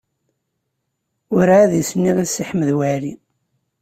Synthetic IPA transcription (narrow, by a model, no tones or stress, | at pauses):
ʊɾaðjəsnːiʁasiħməðwæɾi